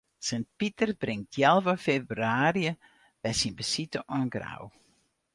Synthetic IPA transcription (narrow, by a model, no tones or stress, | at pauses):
sənt̚pitərbrɪŋtʰjɛlˠvəfebryaːriə | b̥ɛjsinbəsitəʔɔnɡra̰w